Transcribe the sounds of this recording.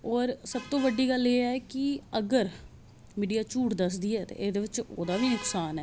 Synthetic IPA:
ɔːɾsəb̚t̪õːʋəɖːiːɡəlːeːaːɛːkɪəɡəɾ | miːɖijaːt͡ʃuːʈd̪əs̬d̪iːɛːt̪ḛːʔeːd̪eːʋɪt͡ʃoːd̪aːʋiːnʊksaːnɦɛː

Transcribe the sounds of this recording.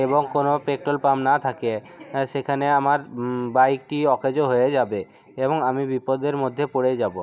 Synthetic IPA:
eboŋkonopek̚ʈɾolpamnat̪ʰake | ʃekʰaneamaɾbajk̚ʈiɔkʰed͡ʑoɦojed͡ʑabe | eboŋamibipod̪eɾmod̪ʱːepoɽed͡ʑabo

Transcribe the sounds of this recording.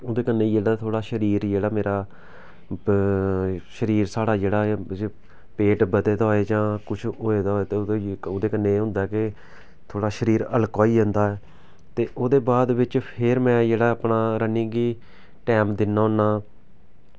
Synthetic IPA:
oːd̪eːkənːeːd͡ʒeːɽaːt̪ʰoːɽaːʃəɾiːɾd͡ʒeːɽaːmeːɾaː | ʃəɾiːɾsaːɽaːd͡ʒeːɽaː | peːʈbəd̪eːd̪aɦoːeːd͡ʒãːkʊt͡ʃʰɦoːeːd̪aːɦoːeːt̪eːoːd̪eːkənːẽːɦʊ̃nd̪aːɛkɪ | t̪ʰoːɽaːʃəɾiːɾə̰ləkoːiːd͡ʒ̃nd̪aːɛː | t̪eːʔoːd̪eːbaːd̪ʋɪt͡ʃpʰɪɾmɛ̃ːd͡ʒeːɽaːəpnaːɾəniːɡiː | ʈɛːmd̪ɪnːaːɦʊ̃nːaː

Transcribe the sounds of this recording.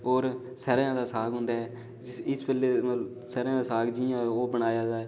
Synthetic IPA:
oːɾ | sɛːɾjãːd̪aːsaːɡɦʊ̃nd̪aːɦɛː | ɪspɛlːeːmət̪l | sɛːɾãːd̪aːsaːɡd͡ʒiãoːbəɽaːjaːd̪aː

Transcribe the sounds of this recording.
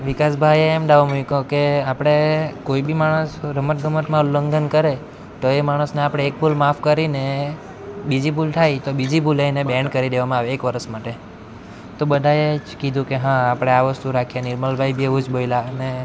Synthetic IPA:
ʋikasbʱajeːmd̪aʋamujikokeapɽ̃ekoibimaɽ̃əsɾəməʈ̪̚ɡʱəməʈmãləŋɡənkəɾe | t̪oemaɽ̃əsneapɽ̃eːk̚pʰulmafʰkəɾine | bid͡ʒibulʈ̪ʰajt̪obid͡ʒibulajnebɛɳɖkəɾid̪eʋamãaʋeːkʋəɾəsmaʈe | t̪obəd̪ʱaet͡ʃkid̪ʱũkeɦãapɽ̃eaʋəst̪uɾakʰijaniɾməlbʱajbʱieʋud͡ʒbojlane

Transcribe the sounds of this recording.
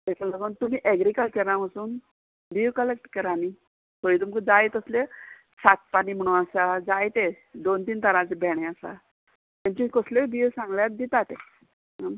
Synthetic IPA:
t̪ɛsalaɡənt̪um̤iːʔeɡɾikəlkəɾnamasuːn | biːwkəlek̚ʈkəɾani | t̪ʰoit̪umkəd͡zajt̪əsle | sat̪̚paniːm̤əɽ̃ũnasad͡zajt̪e | d̪ont̪iːnt̪ʰəɾãt͡sebʱɛɽ̃ẽasa̰ | t̪ãɲt͡ɕuikəslebiʋsãŋɡljat̪d̪it̪at̪e

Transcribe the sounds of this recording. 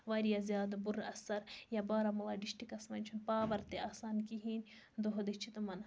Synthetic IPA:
ʋaːɾijazʲjaːd̪buɾɐsɐɾjabaːɾamulaɖiʃʈikɐsmɐnʲt͡ʃʰunpaːʋɐɾt̪eaːsaːnkiɦiːnʲ | d̪uɦɐd̪it͡ʃʰit̪umɐn

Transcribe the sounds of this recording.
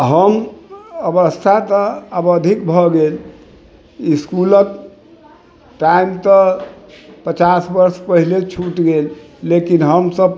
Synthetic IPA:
ɦəməbəst̪ʰat̪əəbəd̪ʱikbʱɔɡel | iskulət̪ | ʈaimt̪ə | pət͡ʃasbəɾspəɦilet͡ʃʰuʈɡelː | ekinɦəmsəb

